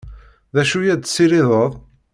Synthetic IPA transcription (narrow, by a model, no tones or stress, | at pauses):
ðæʃujæd̪sːiɾiðˤəðˤ